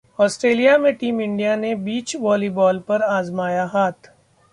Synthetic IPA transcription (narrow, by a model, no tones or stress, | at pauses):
ɔːsʈɾeːlijamẽʈiːmɪ̃ɳɖijanebiːt͡ʃʋɔːlibɔːlpɐɾaːzmaːjaɦaːt̪ʰ